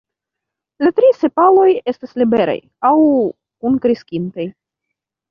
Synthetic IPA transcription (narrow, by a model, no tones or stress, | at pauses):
latɾise̞palo̞je̞staslibe̞ɾa̰j | aw | kunkɾiskʲintaj